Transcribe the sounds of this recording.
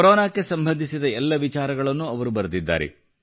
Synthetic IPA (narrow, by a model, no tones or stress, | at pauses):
ɾɔːnaːkːe̞sɐmbʱɐnd̪ʱisid̪ɐɛlːɐʋit͡ʃaːɾɐɡɐɭɐnːuɐʋɐɾubɐɾɐd̪id̪ːa̰ːɾḛ